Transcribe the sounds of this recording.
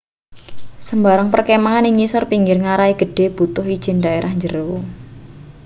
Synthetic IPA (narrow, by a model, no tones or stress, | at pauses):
səmbaɾəŋpərkemaanɪŋisɔrpiŋɡɪrŋaɾaiɡ̥ə̤ɖ̥e̤b̥ṳt̪ʊɦid̥ʒ̥ɪ̤ndaeɾʔahɲd͡ʒəɾəwo